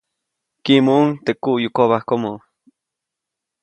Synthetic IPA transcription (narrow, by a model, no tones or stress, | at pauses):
kimoŋt̪ekujukoβahkomo